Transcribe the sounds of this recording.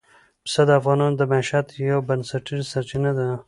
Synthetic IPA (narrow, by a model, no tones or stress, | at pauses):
psad̪aːfɣɑːnɑnd̪əmaʃat̪jobɐnsɐʈiɾsɐɾt͡ʃinad̪a